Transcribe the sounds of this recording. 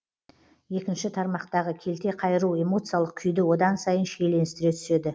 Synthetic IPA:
je̞kʲɪnʃɪt̪ʰɑɾmɑqt̪ɑʁəkʲʰe̞lt̪e̞qʰɑjəɾuwe̞mo̞t̪sɨjalˠəq̚kʲʰʏjd̪ɪwo̞d̪ɑnsɑjənʃe̞jle̞nɪst̪ɪɾe̞t̪ʰʏ̥se̞d̪ɪ

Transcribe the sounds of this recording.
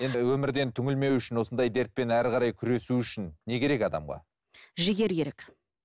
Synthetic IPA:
je̞nwɵmɪɾd̪e̞nt̪ʰʏŋʲɪlme̞wʏʃɪnwo̞sənd̪ɑjd̪e̞ɾt̪̚pe̞næɾqʰɑɾɑjkʲʰʏɾe̞suʏʃɪnːe̞kʲʰe̞ɾe̞kʲɑd̪ɑ̰mʁɑ̰ | ʒɪɡʲe̞ɾkʰʲe̞ɾekʲ

